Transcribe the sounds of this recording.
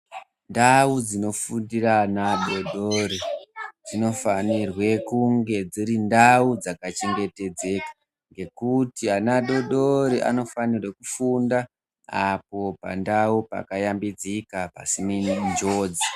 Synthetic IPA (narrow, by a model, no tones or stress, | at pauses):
ndaud͡zino̞fundiranaɗo̞ɗorid͡zino̞fanirwe̞kuŋɡe̞d͡zirindaud͡zakat͡ʃe̞ŋɡe̞te̞d͡ze̞kḁ | ŋɡe̞kutianaɗo̞ɗo̞ɾiʔa̰no̞fanirwekufunda | a̰p̚o̞pa̰ndaupa̰kajambid͡zikapasimind͡ʒo̞ːd͡zi